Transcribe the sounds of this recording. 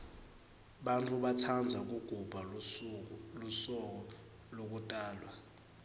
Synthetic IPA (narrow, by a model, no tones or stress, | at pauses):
ɓantʰʼuɓatʰand͡zʱak̬uɡ̥ʱub̥ʱa | lusɔk̬ɔ | lok̬utʼaːlwa